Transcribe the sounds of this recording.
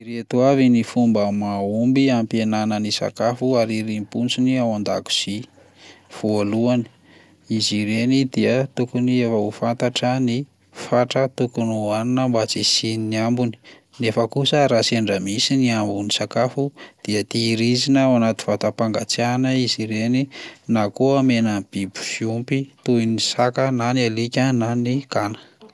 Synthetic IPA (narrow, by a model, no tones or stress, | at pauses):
iɾet̪wavinifumbəmaumbiampienanənisa̰kafuaɾiɾimpunt͡siniawand̪a̰ku̥si | v̥oaluani̥ | iziɾenid̪iət̪ukuniefəufant̪aʈ͡ʂəni | faʈ͡ʂət̪ukunuaninəmbat͡sisininiambuni̥ | nefəkusəɾaseɳɖ͡ʐəmisiniambunisakafud̪̥iət̪iːɾizinəwanat̪i̥vat̪apaŋɡat͡sanəiziɾeninakoamenəb̥ibu̥fiumpit̪uinisakənanialikʲənanikanə̥